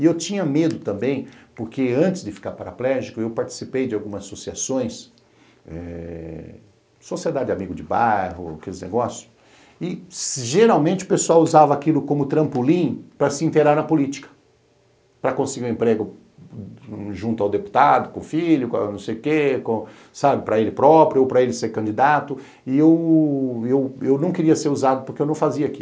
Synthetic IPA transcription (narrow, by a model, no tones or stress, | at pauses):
ɪewt͡ʃĩɲɐmed̪ʊt̪ɐ̃mbẽj̃poɾkeɐ̃nt͡ʃ̪ɪzd̪ɪfi̥kaɾpaɾaplɛʒikʊewpaɾt͡ʃi̥sipejd͡ʒɪawɡũmɐzasosiasõj̃s | ɛ̰ | sosied̪ad͡ʒɪd͡ʒɪamiɡʊd͡ʒɪbajɦʊa̰kelɪznḛɡɔsjʊ̥ | ɪʒeɾawmẽnt͡ʃɪʊ̥pesuawuzavɐakilʊkõmʊt̪ɾɐ̃pulĩpɾɐsɪĩnt̪eɾaɾnɐpʊlit͡ʃi̥kɐ̥ | pɾɐkõsɪɡiɾ̃ũẽpɾeɡʊ | ʒũnt̪ʊawd̪epu̥t̪ad̪ʊkõfiʎʊka̰nɐ̃w̃sejʊkekõ | sabɪpɾɐelɪpɾɔpɾjʊowpɾɐelɪseɾkɐ̃nd͡ʒid̪at̪ʊ | ɪew | ewewnɐ̃w̃kɪɾiɐseɾuzad̪ʊpʊɾkewnɐ̃w̃faziɐakilʊ